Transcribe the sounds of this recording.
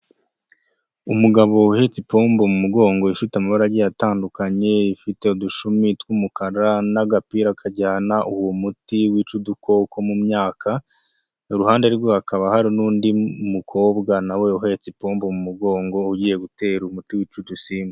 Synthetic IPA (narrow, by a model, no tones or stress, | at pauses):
umuɡaβo̞uhe̞t͡sipo̞ːmbo̞mumuɡo̞ːŋɡo̞iʃutamaβaɾaɟijataːndukaɲe̞ifite̞uduʃumitwuːmukaɾanaɡapiːɾakʰaɟaːnaʔuwomutiwiːt͡ʃudukʰo̞kʰo̞mumɲaːkʰa | ɾuhaːnde̞ɾwohakaβahaɾinuːndimukʰo̞ːbɡanawe̞uɦe̞t͡sipo̞ːmbo̞mumuɡo̞ːŋɡo̞uɟiːje̞ɡute̞ːɾumutiwiːt͡ʃudusiːme